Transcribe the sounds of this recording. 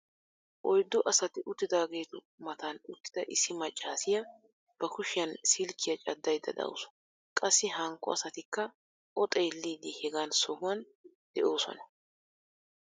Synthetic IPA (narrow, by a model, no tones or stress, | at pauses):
ʔɔjd̪ːɔʔɐsɐt̪ɪʔʊt̪ːɪd̪aːɡe̞ːt̪ʊ | mɐt̪anʊt̪ːɪ̥d̪̥ɐʔɪsːɪmɐt͡ʃʼːaːsɪjɐ | b̥ɐkʊʃɪjɐnsɪlkːɪjɐt͡ʃʼɐd̪ːɐjd̪ɐ̰d̪ɐ̰ʊ̰sɔ̥ | kʼɐsːɪhɐŋkːɔ̰ɐsɐt̪ɪkːɐ | ʔɔt̪ʼɛjlːiːd̪ɪhɛɡaːnsɔhʊwɐn | d̪̥ɛʔo̞ːsɔ̰nɐ